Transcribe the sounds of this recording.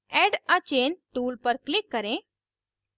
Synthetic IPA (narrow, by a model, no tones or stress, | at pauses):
ɛɖat͡ʃeːnʈuːlpəɾklɪkːəɾẽ